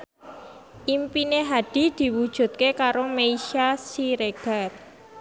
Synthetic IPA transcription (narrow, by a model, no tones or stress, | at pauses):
ʔimpineɦaɖ̥i̤d̪̥i̤wud̥ʒ̥ṳt̪̚kekaɾomeiʃasiɾeɡ̥ar